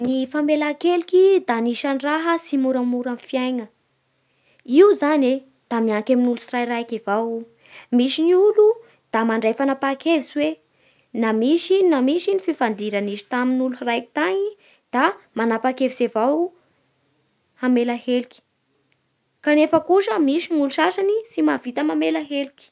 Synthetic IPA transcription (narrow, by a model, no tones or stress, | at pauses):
nifamelakelikʲid̪aniʃaniraɦəsimuɾamuɾanfiajŋə | iuzane | d̪̥amiaŋkaminulusirajrajkevaw | misiniulu | d̪̥amaɳɖ͡ʐajfanapakevisiwe | namiʃinamiʃinifivand̪iɾanizi̥t̪aminuluhrajki̥t̪aŋi | d̪̥amanapakevisevaw | amelahelukʲi̥ | kanefəkuʂəmiʃinuluʃaʃanisimavit̪əmamelaɦelikʲi̥